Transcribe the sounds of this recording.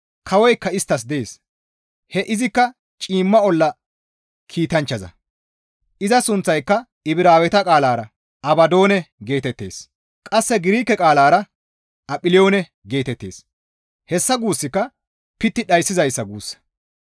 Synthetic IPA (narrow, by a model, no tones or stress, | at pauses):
kʰɐwɔjkːɐɪst̪ːɐs̬d̪ɛeːs | hɛʔɪzɪkːɐ | t͡ʃʼiːmːɐɔlːɐ | kʰiːt̪ɐnt͡ʃːɐzɐ̰ | ʔɪzɐsʊnt͡sːɐjkːɐ | ɪbɪɾaːwɛt̪ɐkʼaːlaːɾɐ | ʔɐbɐd̪o̞ːnɛɡe̞ːt̪ɛt̪ːe̞ːs | kʼɐsːɛɡɪɾiːkːɛkʼaːlaːɾɐ | ʔɐpʼɪlɪo̞ːnɛ | ɡe̞ːt̪ɛt̪ːe̞̰ːs | hɛsːɐɡuːsːɪkːɐ | pɪt̪ːɪɗɐjsːɪzɐjsːɐɡuːsːɐ̥